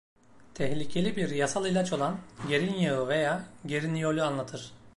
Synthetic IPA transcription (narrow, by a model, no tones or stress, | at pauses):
t̪ʰɛhlʲicʰe̞lʲibiɾjasalˠilʲat͡ʃo̞lˠanɟe̞ɾinjaɯve̞jaːɟe̞ɾinijo̞lʲyanlˠat̪ʰɯɾ̥